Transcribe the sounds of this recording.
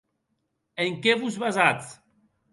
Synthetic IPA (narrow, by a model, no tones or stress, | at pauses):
eŋkeβuzβazat͡s